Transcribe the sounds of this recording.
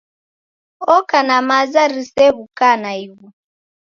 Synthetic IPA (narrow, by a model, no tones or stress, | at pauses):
ɔkanamazaɾisɛɣukanaiβu